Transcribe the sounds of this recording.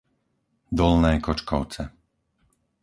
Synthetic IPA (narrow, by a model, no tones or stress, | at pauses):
d̪ɔlnɛːkɔt͡ʃkɔʊt͡sɛ